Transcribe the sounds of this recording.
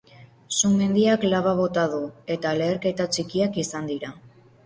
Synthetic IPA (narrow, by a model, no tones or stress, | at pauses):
sume̞nd̪iaklaβaβ̞o̞t̪að̞ue̞t̪ale̞ːɾke̞t̪at͡ʃikiakisand̪iɾa